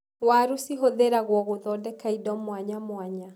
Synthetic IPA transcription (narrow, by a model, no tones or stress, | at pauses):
waɾusiɦoðeɾaɣwɔɣoðɔdɛkaidɔmwaɲamwaɲa